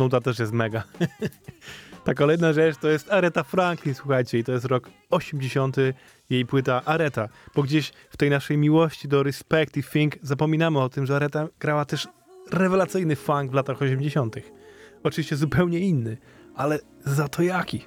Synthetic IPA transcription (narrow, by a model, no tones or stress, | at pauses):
nɔwt̪̬at̪ɛʂ̬jɛst̪mɛɡa | t̪akɔlɛjnaʐɛt͡ʂt̪ɔjɛst̪aɾɛt̪afɾaŋklʲiswuxajt͡ɕɛit̪ɔjɛst̪ɾɔk | ɔɕɛmd͡ʑeɕɔnt̪ɘ | jejpwɘt̪aʔaɾɛt̪ab̥ɔɡd͡ʑeɕ | ft̪ɛjnaʂɛjmʲiwɔɕt͡ɕid̪ɔɾɛspɛkt̪ifʲiŋkzapɔmʲinamɘɔt̪ɘmʐɛaɾɛt̪aɡ̥ɾawat̪ɛʂ | ɾɛvɛlat̪sɘjnɘfaŋɡvlat̪axɔɕ̬ɛmd͡ʑeɕɔnt̪ɘxɔt͡ʂɨvʲiɕt͡ɕɛzupɛwɲɛinːɘ | alɛ | zat̪ʰɔjakʲi